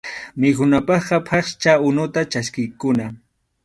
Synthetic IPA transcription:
mɪkʊnapɑχqɑpʰɑχt͡ʃaʊnʊt̪at͡ʃaskɪjkʊna

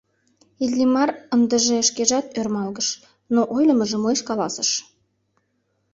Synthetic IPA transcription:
illimɑrənd̪əʒeəʃkeʒɑt̪ørmɑlɣəʃ | noʔojləməʒĕmojʃkɑlɑsəʃ

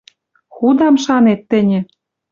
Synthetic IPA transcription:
xud̪ɑmʃɑnet̪ːɘ̆nʲɘ̆

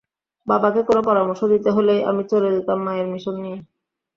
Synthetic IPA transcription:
babakekonopɔɾamoʃːod̪it̪eɦolejʔa̰mit͡ɕoled̪it̪amːaeɾmiʃonːije

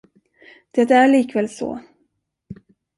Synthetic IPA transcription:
d̪̥ɛt̪æɾɭiːkvɛːlsɔ̰ː

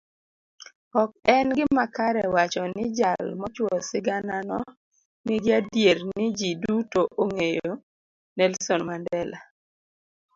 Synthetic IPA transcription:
ɔk̚ɛnɡɪmakaɾɛwat͡ʃɔnɪd͡ʒalmɔt͡ʃwɔsɪɡananɔ | nɪɡɪadjernɪd͡ʒidutoʔoŋejo | nɛlsonmandɛla

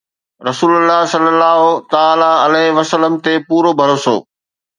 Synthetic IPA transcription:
ɾɐsuːləlːasəlːəlːaːɦot̪aaːlaɐlɛɦʋɐsələmt̪epuːɾobʱɐɾoːso̰ː

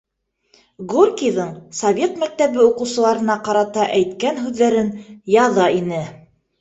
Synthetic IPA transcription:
ɡurkʲijðɤɴsɐvʲe̞t̪mæk̚t̪æβɘuqɤ̆wsɤ̆lˠɑɾɤ̆nɑqɑɾɑt̪ɑʔæjt̪kænɦʉðːæɾɘnjɑðɑinɘ

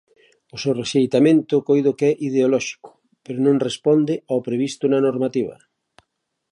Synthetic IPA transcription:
ʊsewreʃejt̪amẽnt̪ʊkojðokɛʔið̞eolɔʃi̥kʊ̥ | peɾʊnõŋrespɔnd̪ɪawpɾeβ̞ist̪ʊnanoɾmat̪iβɐ̰

